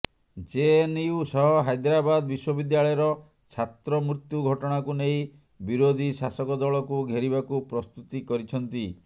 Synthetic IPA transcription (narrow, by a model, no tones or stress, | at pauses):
d͡ʒeniusɔɦɔɦajd̪ɾabad̪ɔbiswɔbid̪jaɭɔjɔɾɔ | t͡ʃʰat̪ɾɔmɾut̪juɡʱɔʈɔɽ̃akuneĩ | biɾod̪ʱisasɔkɔd̪ɔɭɔkuɡʱeɾiβakupɾɔst̪ut̪ikɔɾit͡ʃʰɔnt̪i